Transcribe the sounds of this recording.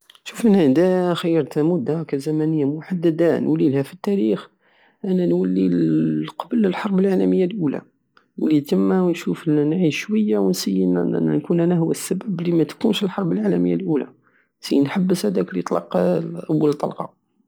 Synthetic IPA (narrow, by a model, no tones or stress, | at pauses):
ʃufnhæd̪æxəjːɑɾˤt̪hæmʊd̪ækæzæmænəjːamwħad̪ːæd̪ænwælːilhæfit̪ːæɾix | ʔænænwælːiqɑbələlħɑɾˤbəlʕalæməjːalʔulæ̰ | wlit̪əmːæwənʃufnʕiʃːwəjːawənsəjːən̰nkunʔænæhʊwæsːæbæblimæt̪kunʃəlħɑɾˤbəlʕalæməjːalʔulæ̰ | nsəjːənħabːəshæd̪æklit̪ˤlɑ̰qʔæwːəlt̪ˤɑ̰lqɑ̰